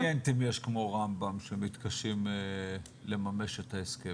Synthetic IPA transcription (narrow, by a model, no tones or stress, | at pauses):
ent̪imjeʃkmo̞ʁambamʃemit̪kaʃim | le̞mame̞ʃetaeske